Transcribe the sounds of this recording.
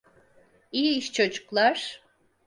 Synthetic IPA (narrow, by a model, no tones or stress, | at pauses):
ijiiʃt͡ʃʰod͡ʒu̥klˠaɾ̥